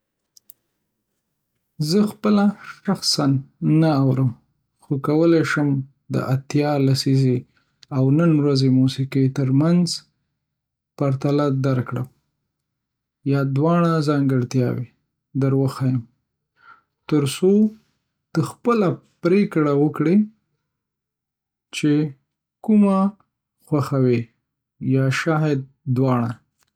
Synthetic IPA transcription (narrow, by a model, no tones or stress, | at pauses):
zəxpəlaʃaxsanːaːwɾəm | xokawəleʃəm | d̪ə̰ʔat̪jɑlasize | awnənwɾazemusiqet̪əɾmanz | paɾt̪alad̪aɾkɽaw | jɑd̪wɑɳ̃azɑŋɡəɽt̪jɑ̰wḛ | d̪əɾwəxajəm | t̪əɾso | t̪əxpəlapɾekɽawəkɽe | t͡ʃe | kuma | xwaxawe | jɑʃɑɦɪd̪̚ːwɑɳ̃a